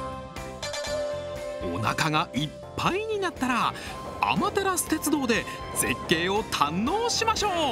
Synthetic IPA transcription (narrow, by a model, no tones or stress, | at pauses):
o̞na̰kaɡaʔipːaiɲ̟inat̪ːaɾa | a̰mat̪e̞ɾasɨ̥t̪e̞t͡sɨd̪o̞ːd̪e̞ | z̥e̞kːe̞ːo̞t̪ʰãnːo̞ːɕimaɕo̞ː